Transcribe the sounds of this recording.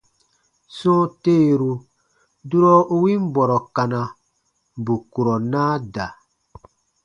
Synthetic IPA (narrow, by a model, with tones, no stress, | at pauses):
sɔ̃˦te˦˨ɾu˨ | du˦ɾɔ˦u˦wi˦m˦bɔ˨ɾɔ˨ka˨na˨ | bu˨ku˨ɾɔ˨naː˦da˨